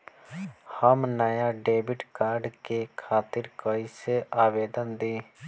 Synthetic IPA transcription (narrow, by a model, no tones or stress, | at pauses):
həmnaːjaːɖeːbɪʈkaːɾɖkekʰaːt̪ɪɾkəːiseʔaːʋeːd̪ənd̪iː